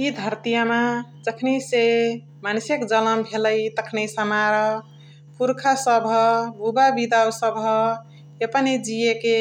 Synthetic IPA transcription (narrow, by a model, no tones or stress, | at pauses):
id̪ʱəɾt̪ijamãd͡ʒəkʰnise | mansekd͡ʒələmbʱeləjt̪əkʰnesəmaɾə | pʰuɾkʰasəbʱəbʱubabid̪awsəbʱə | epəned͡ʒijeke